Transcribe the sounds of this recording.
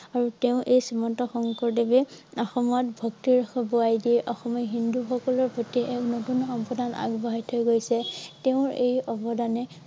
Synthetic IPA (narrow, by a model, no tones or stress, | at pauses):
aɹuteʊ̃ʔejsimɔntɔxɔŋkɔɹdebɛɔxɔmɔtbʱɔktiɹxɔbuajdiʔɔxɔmɔɦinduxɔkɔlɔɹpotiʔɛknotunxɔmpɹɔdʱana̰ɡbɔɦajtʰojɡojsɛteʊ̃ɹejɔbɔdanɛ